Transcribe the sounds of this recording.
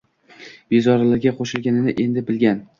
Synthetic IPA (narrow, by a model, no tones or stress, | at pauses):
b̥ezɒɾalaɾɡʲaqʰoʃɪlɡʲanɪnɪʔe̞nd̪ɪbɪlɡʲan